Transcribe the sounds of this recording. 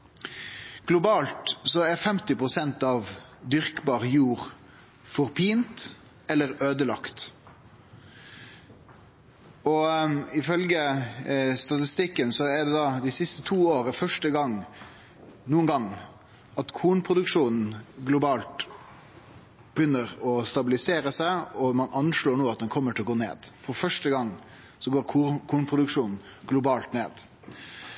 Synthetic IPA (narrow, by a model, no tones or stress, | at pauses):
ɡ̥lʊbɑːlt̪sɔæɾfɛmt̪ɪpʁʊsɛnt̪ɑʋd̪ʏɾkbɑːʁjuːɾ | fɔɾpʰiːnt̪ | ɛlːəɾøːd̪əlɑ̰kt̪ | ɔɪfœlɡə | st̪ɑt̪ɪst̪ɪkːənsɔæɖ̪ɛd̪ɑd̪æsɪst̪ət̪ʰuːoːɾəfœʂʈəɡɑŋ | nuːənɡɑŋː | ɑt̪kʰuːnpʰɾʊd̪ʉkʂuːnn̩ɡlʊbɑːlt̪ | b̥əjʏnːəɾɔst̪ɑbɪlɪseːɾəsæɪɔmɑnʔɑnʂɭoːɾnoːɑt̪̚d̪ɛnkʰɔmːəʈʰɪlɔɡoːnḛːd̪̥fɔɾfœʂʈəɡɑŋː | sɔɡoːɾkʰːkʰuːnpʰʁʊd̪ʉkʂuːnn̩ | ɡlʊbɑːlt̪nḛːd̪̥